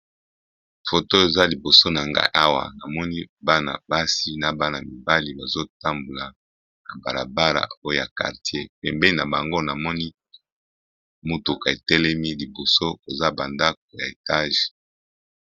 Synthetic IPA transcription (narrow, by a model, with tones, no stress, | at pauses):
fo˨to˦e˨za˦li˨bo˨so˦na˨ŋɡa̰˦ʔa˦wa̰˨na˨mɔ˦ni˦ba˦na̰˨ba˦si˦na˨ba˦na˨mi˨ba˦li˨ba˨zo˦ta˦mbo˨la˨ | na˨ba̰˨ʁa̰˨ba˦ʁa̰˨o˦o˦˨ja˨ka̰˨ʁtje˦pɛ˨mbɛ˦i˦na˨ba˨ŋɡo˦na˨mɔ˦ni˦ | mo˨tu˨ka˨e˨tɛ˦lɛ˦mi˦li˨bo˨so˦o˨za˦ba˨nda˦k̚o˨ja˨e˨ta˦ʒe̥˨